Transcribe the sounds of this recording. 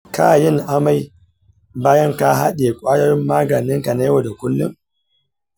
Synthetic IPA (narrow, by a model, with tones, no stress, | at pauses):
kʰa̰ː˦˨jɪ˦˨ŋʔa˦ma˦j | baː˦jɐ˦ŋka˦ɦa˦ɗe˨kʷʼaː˦jɐ˦rmːaː˦ɡɐ˨nɪ˦ŋka˨na˦wo˨da˨kʷʊ˦lːʊ̰˦ŋ